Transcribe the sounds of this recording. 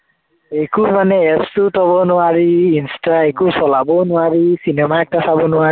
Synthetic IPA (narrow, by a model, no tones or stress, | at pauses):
ekumanɛɛpstutʰɔbɔnʊaɹiinstaekusɔlabɔnʊwaɹisinɛmaɛk̚tasabɔnʊa